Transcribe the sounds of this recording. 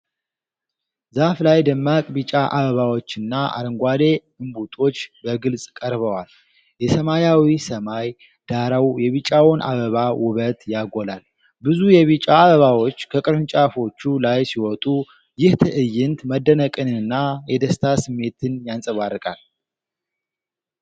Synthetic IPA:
zaflajd̪əmːakʼbit͡ʃʼaʔaβəβawo̞t͡ʃːɨnːaʔa̰ɾəŋɡʷad̪e̞ | ɨmbut̪ʼo̞t͡ʃːbəɡɨlsʼkʼəɾβəwal | jɛsəmajawisəmaj | d̪̥aɾəwjɛβit͡ʃʼawɔnʔa̰βəβawʊβət̪jaɡolal | bɨzujɛβit͡ʃʼaːβəβawo̞t͡ʃːkʰəkʼɨɾɨnt͡ʃʼafo̞t͡ʃːulajsiwɔt̪ʼu | jɪht̪ʰɨʔɨjːɪnt̪məd̪ːənəkʼɨnɨɨnːajɛd̪əst̪ʰasɨmːe̞t̪ʰɨnjansʼəβarːɨkʼal

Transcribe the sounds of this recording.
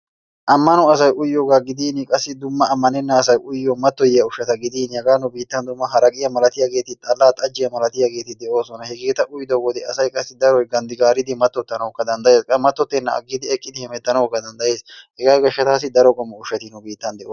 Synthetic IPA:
ʔɐmːɐnʊɐs̬ɐjʔʊjːoːɡaːɡɪd̪iːnɪkʼɐsːɪd̪ʊmːɐːmːɐnɛnːɐːsɐjʔʊjːomɐt̪ːɔjɛjɐʊʃːɐt̪ɐɡɪd̪iːnhɛɡaːnʊbiːt̪ːɐnd̪ʊmːɐɦɐɾɐkʼɪjɐmɐlɐt̪ɪjaɡe̞ːt̪ɪt̪ʼɐlːaːt̪ʼɐd͡ʒːɪjɐmɐlɐt̪ɪjaɡe̞ːt̪ɪd̪ɛʔo̞ːsɔnɐhɛɡe̞ːt̪ɐʔʊjd̪ɔwɔd̪ɛɐsɐjkʼɐsːɪd̪ɐɾɔjɡɐnd̪ɪɡaːɾɪd̪ɪmɐt̪ːɔt̪ːɐnɐwɔkːɐd̪ɐnd̪ɐjeːskʼɐmɐt̪ːɔt̪ːɛnːɐɐ̰ɡːɪd̪ɪɛkʼːɪd̪ɪhɪmɛt̪ːɐnɐwkːɐd̪ɐnd̪ɐje̞ːshɛɡaːɡɐʃːɐt̪aːs̬ɪd̪ɐɾɔkʼɔmːɐʊʃːɐt̪ɪnʊbiːt̪ːɐnd̪ɛʔoː

